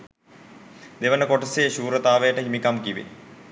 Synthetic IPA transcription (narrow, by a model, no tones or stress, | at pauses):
d̪eʋənəkoʈəseːʃuːɾət̪aːʋəjəʈəɦimikamkiʋḛ